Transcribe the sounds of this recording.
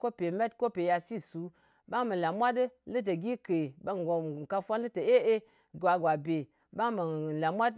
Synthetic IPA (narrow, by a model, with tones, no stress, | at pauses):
ko˦pe˨me˦tko˦pe˨ja˧si˦˨su˨˦ | ba˦ŋmə˨la˨mʷa˦dɨ˦lɨ˦t̬ə˨ɡi˦ke˨ba˦ŋ˨ɡo˨ka˧fʷa˦nlɨ˦tə˨e˦e˦ | ɡʷa˨ɡwa˨be˨ | ba˦ŋmə˨la˨mʷa˦t